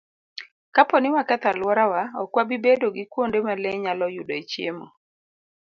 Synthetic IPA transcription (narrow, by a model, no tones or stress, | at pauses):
kapɔnɪwakɛt̪alwɔɾawaɔkwabibedoɡɪkwondemalɛɲalɔjudoet͡ʃjemo̰